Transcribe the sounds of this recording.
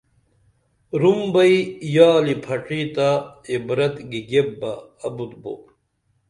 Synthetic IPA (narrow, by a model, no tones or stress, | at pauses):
ɾumbɐijaːlipʰɐʈ͡ʂiːt̪aibɾɐt̪ɡiɡebːɐːbut̪̚bo̰